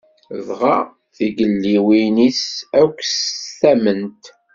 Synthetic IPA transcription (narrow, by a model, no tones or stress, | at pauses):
ðʁɑ | θiɡəlːiwinisækʷːsθæmənt̪